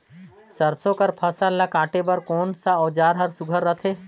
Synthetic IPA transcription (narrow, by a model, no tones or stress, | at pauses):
səɾsõkəɾpʰəsəɾlakãːʈebəɾkoːnsaɔːd͡ʒaːɾɦəɾsuɡʱəɾːət̪ʰe